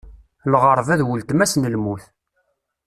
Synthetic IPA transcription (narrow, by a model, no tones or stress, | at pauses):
lʁəɾˤvæðwʊlt̪mæsnəlmuθ